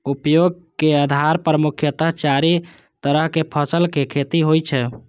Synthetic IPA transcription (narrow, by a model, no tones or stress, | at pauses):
upjoɡ̚keəd̪ʱaɾpɾəmukʰjət̪əɦt͡ʃaɾi | t̪əɾəɦkepʰəsəlkekʰet̪iɦojt͡ʃʰɛ